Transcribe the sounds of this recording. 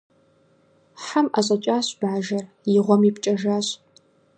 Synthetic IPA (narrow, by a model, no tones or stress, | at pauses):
ħamʔaɕʼɐt͡ʃʷʼaːɕb̥aːʒɐr | jɪʁʷɔmipt͡ʃʼɐʒaːɕʼ